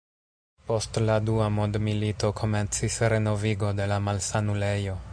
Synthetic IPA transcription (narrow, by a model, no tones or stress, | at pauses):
po̞stladuamodmilito̞kʰo̞me̞nt͡sisɾe̞no̞viɡo̞de̞lamalsanule̞jo̞